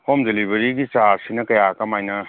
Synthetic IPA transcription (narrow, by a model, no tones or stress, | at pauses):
homdelibɐɾiɡit͡ʃaɾsinɐkɐjakɐmajnɐ